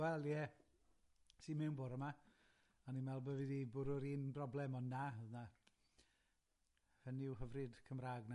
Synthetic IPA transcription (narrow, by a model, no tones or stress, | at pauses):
ɛlˠjɛ | simɛwnboɾəma | aninmɛlˠbəvidibʊɾʊɾiːnbrɔblˠɛmɔnːaəðna | həniɪwɦəvrɨd̥kʰəmraːɡna